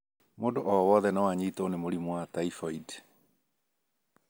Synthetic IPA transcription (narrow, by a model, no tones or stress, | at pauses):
moːdoʔɔwɔðɛnawaɲiːtonemoɾimwataifɔid